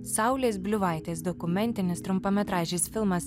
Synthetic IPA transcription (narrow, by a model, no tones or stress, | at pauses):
sɑʊlʲeːs̬bʲlʲʊʋɐɪt̪ʲeːsd̪ɔkʊmʲɛnʲt̪ʲɪnʲɪst̪ɾʊmpomʲɛt̪ɾɑːʒʲeːsfʲɪlˠmɐs